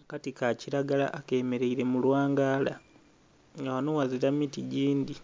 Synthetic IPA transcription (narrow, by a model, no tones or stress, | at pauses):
akatikaciɾaɡala̰ʔːke̞me̞ɾeiɾe̞mulwaːŋɡaːla | ŋɡawanowaziɾamitiɟiːnd̪i